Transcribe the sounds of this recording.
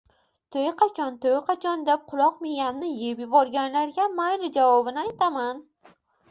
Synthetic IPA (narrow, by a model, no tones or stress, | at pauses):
t̪ʰojqʰɑt͡ʃʰɒnt̪ʰojqʰɑt͡ʃʰɒnd̪ep̚qʰʊlˠɒqmeɡʲamnɪjepjɪbɒɾɡʲanlaɾɡʲamajɾɪd͡ʒavɒbɪnɪajt̪ʰaman